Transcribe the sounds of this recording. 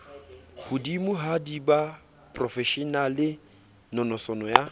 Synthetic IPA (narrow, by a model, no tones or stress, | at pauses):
ɣʊdimʊɦadiba | pʼrɔfɛʃinalɪ | nɔnɔsɔnɔja